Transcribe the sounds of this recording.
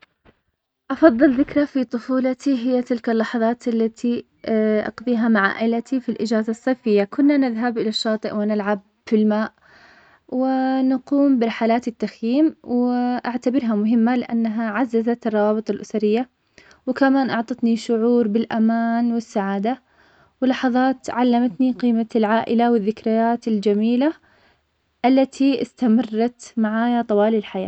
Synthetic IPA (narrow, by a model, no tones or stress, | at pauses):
ʔɑfɑðˤːɨlðɪkɾˤafit̪ˤʊfuːlɑt̪iɦɪjːat̪ɪlkalːɑħɑðˤɑːt̪ʔalːat̪ʰi | ʔɑ̰qðˤiːɦamaʕa̰ːʔɪlat̪ʰifilʔɪd͡ʒaːzasˤːɑjfɪjːakʊnːanɪðɦabʔɪlaʃːɑːt̪ˤɨʔwɪnɪlʕab̚ | filmaːʔ | wɪnaquːmbɪɾɑħalaːt̪ɪt̪ːaxjiːmwɪʔaʕt̪abɪɾɦamʊɦɪmːalɪʔanːaɦaʕazːazat̪ɨrˤːɑwɑːbɨt̪ˤɑlʔʊsaɾɪjːa | wɪkamaːnʔɑʕt̪ˤɑt̪niʃʊʕuːɾbɪlʔamaːnwɪsːaʕaːd̪a | wɪlːɑħɑðˤɑːt̪ʕalːamat̪niqiːmalʕaːʔɪlawɪðːɪkɾɪjaːt̪ɪld͡ʒamiːla | ʔalːat̪ʰiɪst̪amɑrˤːɑt̪maʕaːjat̪ˤɑwɑːlɪlħaja̰ː